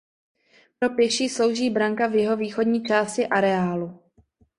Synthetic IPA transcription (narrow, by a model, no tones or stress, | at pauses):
pɾo̞pjɛʃiːslo̞wʒiːbɾaŋkavjɛɦo̞viːxo̞dɲiːt͡ʃaːscɪʔaɾɛaːlu